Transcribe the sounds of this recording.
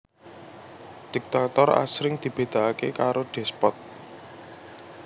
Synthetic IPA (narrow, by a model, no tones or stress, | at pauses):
d̪̥i̤k̚t̪at̪ɔra̰sɾɪŋd̪̥i̤b̥e̤d̪̥a̤akḛkaɾoɖ̪̥ɛ̤spɔt̪̚